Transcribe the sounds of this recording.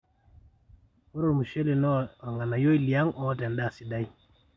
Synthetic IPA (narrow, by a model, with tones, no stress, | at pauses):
ko˦ɾo˦˨mu˨ʃe˦li˨nɔ˦a˨ŋa˨na˨jo˦i˦˨li˨a˦ŋɔ˦tɛ˨nda˦˨si˨da˦j